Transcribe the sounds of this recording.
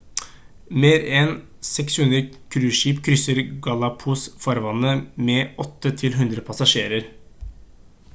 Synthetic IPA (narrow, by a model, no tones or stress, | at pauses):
meːɾɛn | sɛkshʉnd̪ɾəkʰɾʉːʂiːpkʰɾʏsəɾɡɑlɑpʰuːsfɔɾʋɑnːəmɛʔɔt̪ːət̪ʰɪlɦʉnd̪ɾəpʰɑsɑʂeːɾəɾ